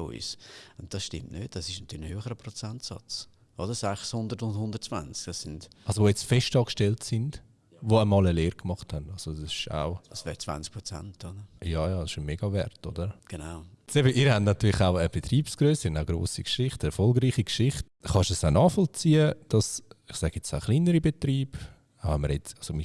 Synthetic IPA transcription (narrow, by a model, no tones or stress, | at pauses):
o̰isʊnt̚d̥ɑsʃtɪ̰mtnøːt̚d̥ɑsɪʃnɑtyːɾləɪhøːχəɾəpɾot͡sɛntsɑ̰t͡s | ʔodəsɛχshʊndəɾtʊndhʊndəɾt͡sva̰nt͡skd̥ɑsɪndɑlsoʋojɛt͡stfɛʃtɑːkʃtɛltsɪnd | voamɑːləleːɾkmɑχthanɑlz̥o̥ɑsɪ̥ʃa̰ʊd̥ɑsvɛːɾt͡sv̥a̰nt͡sk̚pɾot͡sɛ̰ntʰodəɾjɑːjɑːdsɪʃomeːɡ̥ɑvɛ̰ɾtodəɾɡ̥enaʊ | sebəʔiɾhɛndnɑtyːlɪχaʊəb̥etriːpsɡ̥ɾøːsəɾʊndaʊɡɾo̰ːsikʃɪχtɛɾfɔlɡɾiːχikʃɪχt | χɑʃəsaʊnɑːfɔlt͡siːəd̥ɑsɪχsɛɡ̥əɛt͡saʊχliːnəɾibetɾiːb̥ | aʊvɛməɾjɛt͡sɑsomi